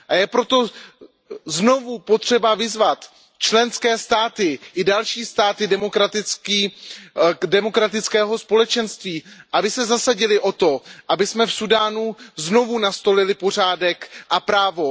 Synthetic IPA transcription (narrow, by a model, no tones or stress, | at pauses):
ʔajɛpɾo̞t̪o̞ | zno̞vupo̞t̪r̥ɛbavɪzvat̪ | t͡ʃlɛnskɛːst̪aːt̪ɪʔɪdalʃiːst̪aːt̪ɪdɛmokɾat̪ɪkiː | dɛmo̞kɾat̪ɪt͡skɛːɦo̞spo̞lɛt͡ʃɛnst̪viːʔabɪsɛzasaɟɪlɪʔo̞t̪o̞ʔabɪsmɛfsudaːnuzno̞vunast̪o̞lɪlɪpo̞r̝aːdɛkʔapɾaːvo̞